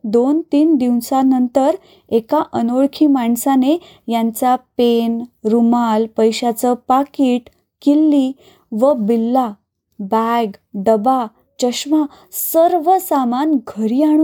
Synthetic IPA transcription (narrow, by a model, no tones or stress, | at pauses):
d̪ont̪iːnd̪iwsanənt̪əɾ | ekaʔənoɭkʰiːmaɳsane | jãɲt͡ɕapenɾumalpəjɕat͡səpakiːʈ | kilːi | ʋəbilːa | baɡɖəba | t͡ɕəɕma | səɾʋəsamanɡʱəɾiaɳ̃u